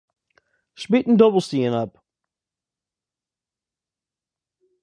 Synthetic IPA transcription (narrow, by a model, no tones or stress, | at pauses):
ʃbiʔn̩dʌbl̩ˠstiɨ̃nʌp̚